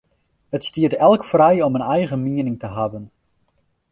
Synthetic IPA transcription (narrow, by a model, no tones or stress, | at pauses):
ətstiətɛlˠkfrɛjɔmənɛjɣəmiənɪŋtəɦabən